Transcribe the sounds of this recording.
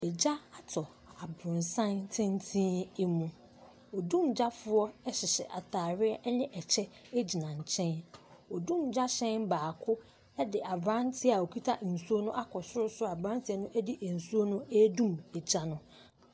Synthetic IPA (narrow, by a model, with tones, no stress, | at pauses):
ɛ˨d͡ʑa˦a˨tʰɔ˨ | a˨bɾʊ̃˨nsã˦ntʰɪ̃˦n˦tʰĩː˦ɛ˦mũ˨ | ɔ˨dũ˦˨md͡ʑa˦fʊ˦ɔ˦ɛ˦ɕɪ˨ɕɛ˨ʔa˨tʰaː˨ɾɪ˦ɛ˦ʔnɪ̃˦ʔɛ˨t͡ɕʰɛ˦ | æ˦d͡ʑi˨nã˨ɲ̩˨t͡ɕʰɛ̃˦nɔ˨dũ˦˨md͡ʑa˦ɕɛ̃˦nbaː˨kʰʊ˦ | ɛ˦dɪ˨ʔa˨bɾã˦ntʰɪ˦a˨o˨kʰi˦tʰa˦ʔn̩˨su˦o˦nʊ̃˦ʔa˦kʰɔ˨sʊ˦ɾʊ˦sʊ˦a˨bɾã˦n˦tʰɪ˦ɛ˦nʊ̃˦ʔæ˦di˦ʔæ˨n̩˨su˦o˦nʊ̃˦æ˦dũ˦˨mɛ˨d͡ʑa˦nʊ̃˦